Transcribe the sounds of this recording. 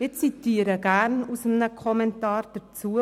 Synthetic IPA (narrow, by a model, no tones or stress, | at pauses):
ɪt͡sit̪iːɾəɡ̥æɾnusəmnəkʰɔmɛntɑːɾd̥ət͡suːə